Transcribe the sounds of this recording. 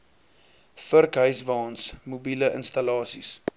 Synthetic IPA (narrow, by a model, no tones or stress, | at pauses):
fərkɦœɥsvɑːnsmubiləʔə̰nstɐlɑːsis